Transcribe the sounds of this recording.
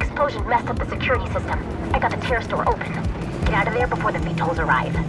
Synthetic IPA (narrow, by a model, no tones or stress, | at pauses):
ɨksploʊʒɨ̃nmɛstʌp̚ðɨsɨkʰj̥ʊɹɨɾisɪstə̃m | aɪɡɑtɾɨtʰɛɹstɔ̰ɹʔoʊpʰɨ̃n | ɡ̥ɛɾaʊɾʌvɛɹbəfɔɹðɨfitʰoʊlˠzə˞a̰ɪv̥